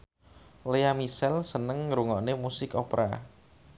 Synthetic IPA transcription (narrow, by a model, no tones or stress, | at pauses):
leamisɛlsənəŋːɾuŋɔʔnemusɪkopɾʔa̰